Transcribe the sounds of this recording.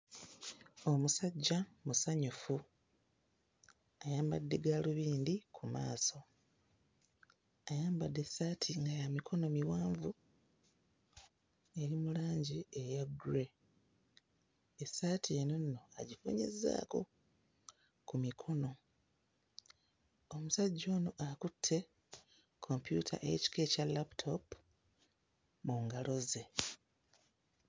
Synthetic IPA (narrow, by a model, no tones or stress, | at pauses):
o̞musaɟːamusaɲufu | ajaːmbadːeɡaluβiːndikʰuma̰ːso̞ | ajaːmbadːe̞saːtʰiŋɡajamikʰo̞no̞miwaːɱvu | e̞ɾimulaːɲɟiejaɡuɾe̞ | esaːtʰienonːo̞a̰ɟifo̰ɲḛzːa̰ːko̞̰ | kumikʰo̞no̞ | omusaɟːo̞ːno̞ʔakutʰːe̞ | kʰo̞mpjṵtʰa̰ʔḛci̥ke̞ːcalaptʰo̞p | muːŋɡalo̞ze̞